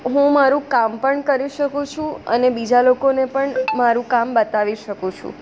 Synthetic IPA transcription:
ɦũmaɾũkampəɳkəɾiʃəkũt͡ʃʰũə̰nebid͡ʒalokonepəɳmaɾũkambət̪aʋiʃəkũt͡ʃʰṵ̃

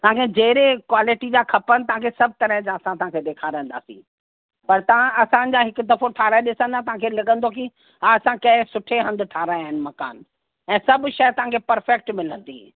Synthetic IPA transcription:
t̪ɐʋɦãkʰed͡ʑɐːɾekwaːlɪʈid͡ʑaːkʰɐpənɪ̆t̪ɐɦãkʰesɐb̚ʱt̪ɐɾəɦd͡ʑãɐsãt̪ɐ̤ãkʰeɗ̪eːkʰaːɾə̃nd̪a̰ːsḭ̃ː | pɐɾt̪ɐʋãɐsã̆d͡ʑaːɦɪkʊd̪ɐfoʈʰaːɾaːẽɗɪsə̃nd̪at̪ɐɦãkʰeːlɐɠə̃nd̪okʰĩː | aɐsãkɐ̃ɪ̃sʊʈʰeɦɐ̃nd̪ʱʈʰaːɾaːaːɦɪnɪ̆mɐka̰ːn | ɛ̃ːsɐbʃɐjt̪ɐʋ̤ãkʰepɐɾfɛk̚ʈmɪlə̃nd̪ĩ

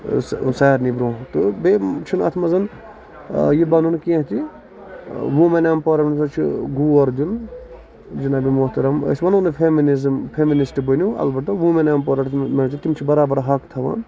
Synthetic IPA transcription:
ssaːɾnibɾõːt̪ɨbet͡ʃʰinɐ̰t̪ʰmɐzɐn | jibɐnunkiẽɦt̪ʰi | ʋũmenaːmpɔɾɐmnsɐt͡ʃʰiɡuːɐɾd̪un | d͡ʒinaːbimuɦt̪ɐɾɐmə̰sʲmɐnunɨpʰeminizmpʰeminisʈbənuɐ̰lbɐʈɐʋumenaːmpɔɾɐʈmɐnt͡ʃʰit̪imt͡ʃʰibɐɾaːbɐɾɦɐkt̪ʰɐʋa̰ːn

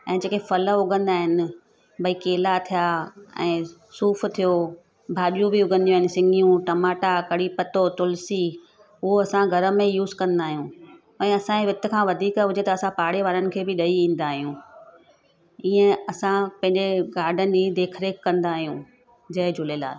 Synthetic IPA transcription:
ɛ̃ːd͡ʑeːkefɐləʊɡʱə̃nd̪aːɦɪnɪ̆ | bɐikeːlat̪ʰijaːɛ̰̃ːsuːft̪ʰijo | bʱaːɗijũbɪʊɡʱə̃nd̪ijaɦɪnɪ̆sɪ̃ŋɡʱijũʈɐmaːʈakɐɽipɐt̪ot̪ʊlsi | ʊɦoɐsãɡʱɐɾə̆mẽjuːzkɐ̃nd̪aːɦijũ | ɛ̃ːɐsãeʋɪt̪ə̆kʰãːʋɐd̪ʱiːkɦʊd͡ʑʱet̪ɐːsãpaːɽeʋaːɾənɪ̆kʰeːbɪɗɐiĩːn̆d̪aːɦijũː | iːə̃ɐsãpɐ̃ɦɪ̃ɲd͡ʑeɡaːɾɖʱənɪ̆id̪eːkʰɾeːkkːɐ̃nd̪aːɦijũ | d͡ʑɐɪd͡ʑʱʊlela̰ː

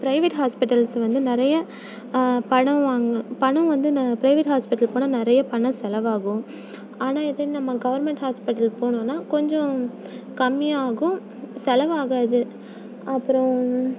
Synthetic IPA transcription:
pɾɐɪʋeʈɦaːspɪʈːɐlsʋɐnd̪ɯnɪɾɐjɐ | pɐɳɐ̃ʋaːŋɡɐpɐɳɐ̃ʋɐnd̪ɯpɾɐɪʋeʈɦaːspɪʈːɐlpoːɳaːnɪɾɐjɐpɐɳɐ̃sɛlɐʋaːɣʊ̃ | aːnaːɪðɐninɐmːɐɡɐʋɐɾmɛɳʈhaːspɪʈːɐlpoːɳʊ̃ːnːaːkɔɲd͡ʒɔ̃ | kɐmːɪaːɣʊ̃ | sɛlɐʋaːɣaːðɯ | ʔɐpːɯɾɔ̃

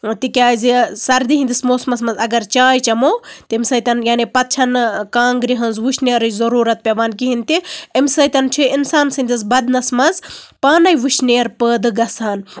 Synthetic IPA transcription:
t̪ikʲaːzisɐɾd̪iɦind̪ismoːsmɐsmɐnzɐɡɐɾt͡ʃaːjt͡ʃɐmoːt̪iimʲsɐːjt̪ʲɐnjaːnipɐt̪̚t͡ʃʰɐnkaːŋɡɾiɦɐnzʋuʃneːɾɨzɐɾuːɾɐt̪̚pʲeʋaːnkiɦint̪iimsɐːt̪ʲɐnt͡ʃʰiinsaːnsɐnd̪is̬bɐd̪nɐsmɐzpaːnɐjʋuʃneːɾpəːd̪ɨɡɐsaːn

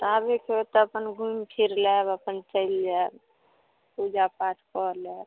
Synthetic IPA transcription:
t̪abekʰeet̪ɔəpənɡʱumpʰiɾlebəpənt͡ʃəild͡ʒa | pud͡ʒapaʈʰkɔɾlɛb

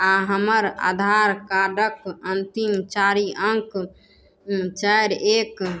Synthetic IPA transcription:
aɦəməɾa̰d̪ʱaɾkaɖəkənt̪imt͡ʃaɾiəŋk | t͡ʃəɾek

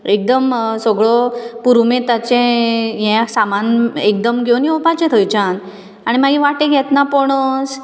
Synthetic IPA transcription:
ek̚d̪əmsɔɡɭɔpuɾumẽt̪at͡ɕɛ̃ɦɛ̃samanekd̪əmɡʱoniɔpat͡ɕɛ̃t̪ʰəjt͡ɕãn | aɽ̃imaɡĩʋaʈẽɡʱɛt̪napɔɽ̃əs

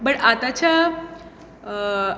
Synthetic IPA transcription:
bəɽat̪at͡ɕa

